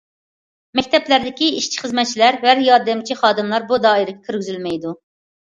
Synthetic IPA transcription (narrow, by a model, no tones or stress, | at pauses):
mɛkʲt̪ʰɛplæɾd̪ɪkʲiiʃt͡ʃʰi̥χəzmɛt̪̚t͡ʃʰilæɾhæɾjɑɾd̪ɨmt͡ʃʰiχɑːd̪ɨmlˠɑɾbud̪ɑːiɾɪɡʲɛkʲʰyɾɡʲyzylmɛjd̪u